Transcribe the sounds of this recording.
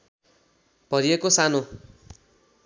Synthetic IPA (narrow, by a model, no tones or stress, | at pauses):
b̥ʌɾiekosano